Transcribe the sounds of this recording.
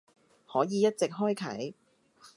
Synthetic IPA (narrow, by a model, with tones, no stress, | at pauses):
hɔː˨˥jiː˨˧jɐ˥t̚t͡sɪ˨k̚ɦɔː˥jkʰɐ̰˨˥j